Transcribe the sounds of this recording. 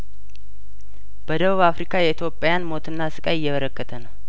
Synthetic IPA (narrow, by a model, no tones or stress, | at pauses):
b̥əd̪əβuβafɾikʰajɛit̪jo̞pʼːajanmo̞t̪ʰɨnːasɨkʼajɪjːɛβəɾəkːət̪ʰənəw